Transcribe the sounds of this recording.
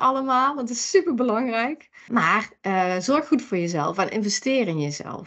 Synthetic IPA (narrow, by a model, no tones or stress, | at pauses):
ɑləmaːlˠʋtɪsypəɹbəlɑŋrɛjk | maːrəzɔɹxxutfʊːɹjəzɛ̰lˠfanʔɪ̰nvɛstɪːrɪnjəzɛ̰lˠf